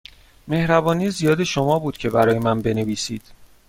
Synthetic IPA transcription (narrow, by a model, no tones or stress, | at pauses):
me̞hɾæbɒːniːzijɒːd̪e̞ʃo̞mɒːbuːd̪̥cʰe̞bæɾɒːje̞mænbe̞neviːsḭːd̪̥